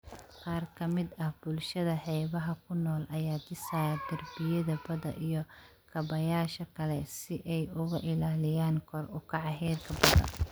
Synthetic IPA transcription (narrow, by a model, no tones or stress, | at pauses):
qɑːrkʰɐmɪd̪ɐhb̥ʊlʃɐðɐħɛːβɐɦɐkʰʊnɔːlʔɐjaːt͡ʃɪsaːɡɐrbɪjɐðɐbɐðɐ̰ʔijɞ | kʰɐbɐjaːʃɐkʰɐlɛsɪʔɛjʊɣʊʔɪlaːlɪjaːnkʰɔrʊkʰɑʕɑɦɛːrkʰɐbɐðɐ̰